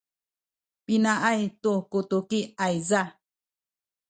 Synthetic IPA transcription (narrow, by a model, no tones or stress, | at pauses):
pinãʔajt̪ukut̪ukiajza